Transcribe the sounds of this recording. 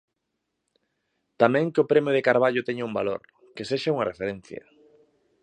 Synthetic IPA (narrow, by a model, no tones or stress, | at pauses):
t̪amɛ̃ŋkɪʊpɾemjʊðekaɾβ̞aʎʊt̪ɛɲaumbalo̰ɾ | keseʃauŋɐrefeɾɛ̃n̟θjɐ̰